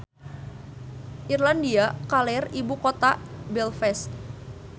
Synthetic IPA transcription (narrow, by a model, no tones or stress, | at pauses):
ʔirlandiakalɛribukot̪abɛlfɛst̪̚